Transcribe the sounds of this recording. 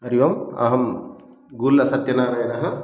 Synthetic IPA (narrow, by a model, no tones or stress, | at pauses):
ɐɾiʋɐmɐ̰ɦɐm | ɡulːɐsɐt̪jɐnaːɾɐjɐnɐɦɐ